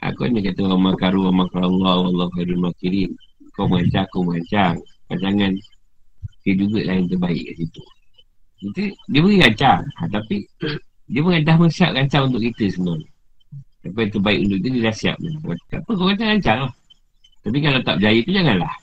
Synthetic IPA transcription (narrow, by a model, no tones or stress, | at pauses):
ʔa̰ko̰nəkat̪əwamakaɾuwamakaɾlːawɑlːɑhuhadulmakiɾinkowməŋaɲt͡ʃakowməŋaɲt͡ʃaŋka̰ɲt͡ʃaŋan | tiəd͡ʒuɡəlaɪnt̪ərbaɪ̰ʔka̰sit̪u | kit̪ədiəbəɡiɣaɲt͡ʃaŋat̪api | diəməŋant̪ahməsiap̚ɡaɲt͡ʃaŋunt̪ʊkit̪əsənɔn | t̪apajt̪ərbaɪkunt̪ʊkit̪udiədahsia̰p̚nə̰waapəkowɣaɲt͡ʃaŋɡaɲt͡ʃaŋlah | t̪ap̬ikalat̪ap̚d͡ʒajət̪ud͡ʒaŋanlah